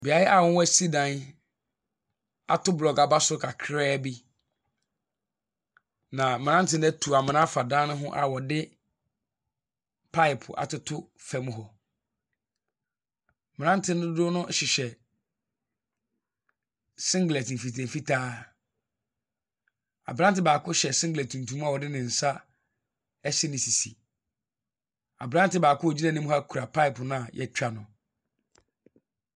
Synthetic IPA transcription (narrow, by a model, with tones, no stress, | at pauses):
bi˨a˨jɪ˦ʔa˨wʊ̃˦wɔ˦si˦dã˨n | a̰˨tʰʊ˦blɔ˨ɡa˨ba˦sʊ˦kʰa˨kʰɾɛː˦bi˦ | nã˨mɪ̃˨nã˦n̩˦tʰɪ˦nɛ˦tʰu˨a˨mɪ̃˨nã˦fa˨dãː˦nʊ̃˦ɦʊ̃˦ʔa̰˨wɔ˨dɪ˦ | pʰa˦ɪ˨pʰʊ̰˨ʔa̰˨tʊ˦tʰʊ˦ | fɛ˨˦m̃˦ɦɔ˨ | mɪ̃˨nã˦n̩˦tʰɪ˦n˦ʊ̃˦dʊ˦nʊ̃˦ɕɪ˨ɕɛ˨ | sɪ̃˦ŋɡlɛ˨t̩˨fi˨tʰɛ̃˨fi˦tʰaː˦ | a̰˨bɾã˦n˦tɪ˨baː˨kʰʊ˦ɕɛ˨sɪ̃˦ŋɡɪlɛ˨tʰũ˨n˨tʰũ˨˦m˦a˨wɔ˨dɪ˦nɪ̃˨n̩˨sa˦ | ɛ˦sɪ˦nɪ̃˨si˨sḭ˨ | a̰˨bɾã˦n˦tɪ˨baː˨kʊ˦wɔ˨d͡ʑi˦nã˦nɪ̃˦m˦ha˦kʰu˨ɾa˨pʰa˦ɪ˨pʊ˨nã˦a˨jʔɛ̰˦t͡ɕᶣa˦nʊ̃˨